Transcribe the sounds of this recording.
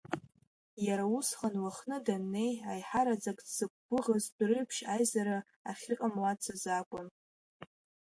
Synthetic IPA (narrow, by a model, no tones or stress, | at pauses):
jaɾausχanwaχnɨdanːe̞jajħaɾad͡zakʼsɨk̚ʷʼːɨʁazdʷrɨɥpʰʃajzaɾa | aχʲɪqʼamlat͡sʰazakʷʼʊn